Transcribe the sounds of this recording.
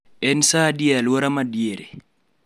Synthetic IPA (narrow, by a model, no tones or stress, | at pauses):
ɛnsadialwoɾamadieɾe